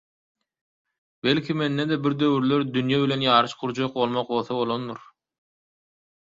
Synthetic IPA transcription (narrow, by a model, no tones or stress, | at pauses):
belʲkʲʰime̞nːed̪ebiɾd̪ø̞wyɾlʲøɾd̪ynjæβilʲe̞njɑːɾɯʃquɾd͡ʒoq̚bo̞lˠmoq̚bo̞lˠθoβo̞lˠo̞nːuɾ